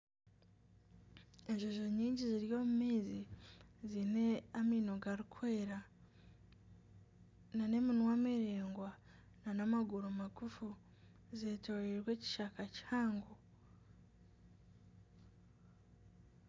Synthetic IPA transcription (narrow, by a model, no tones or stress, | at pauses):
eʒoʒoɲiːɲɟiziɾjo̞ːmumiːzizineamiːnoɡaɾikʰweːɾa | nane̞minwameɾeːŋɡwa | nanamaɡuɾomaɡufu | zeːto̞ːɾeɾwe̞ːci̥ʃakaci̥haːŋɡo